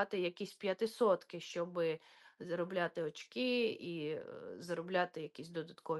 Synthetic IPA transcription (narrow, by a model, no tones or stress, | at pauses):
ɑt̪ɪjɐkʲisʲpʲjɐt̪ɪsɔt̪kɪʃt͡ʃɔbɪzɐɾɔblʲat̪ɪɔt͡ʃkɪizɐɾɔblʲat̪ɪjɐkʲisʲd̪ɔd̪ɐt̪kɔʋ